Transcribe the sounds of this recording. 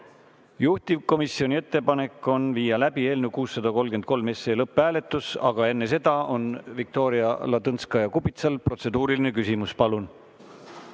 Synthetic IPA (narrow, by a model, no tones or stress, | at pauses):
juht̪ivko̞misio̞nʲie̞t̪ːe̞pɑne̞kːˑo̞nviːjɑlæbie̞ːlnewkuːsːɑd̪ɑko̞lɡen̚ko̞lme̞se̞ːlɤpːˑæːle̞t̪ːˑusɑ̰ɡ̥ɑe̞nːe̞s̬e̞d̪̥ɑʔo̞nvik̚t̪o̞ːɾiɑlɑd̪ɤnskɑjɑkupit̪sɑlpro̞t̪se̞d̪uːɾiline̞kysimuspɑlun